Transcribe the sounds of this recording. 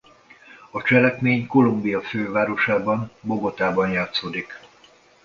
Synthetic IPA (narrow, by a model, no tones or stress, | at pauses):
ɒt͡ʃɛlɛkmeːɲko̞lumbijɒføːvaːɾo̞ʃaːbɒmbo̞ɡo̞t̪aːbɒnjaːt̪soːd̪ik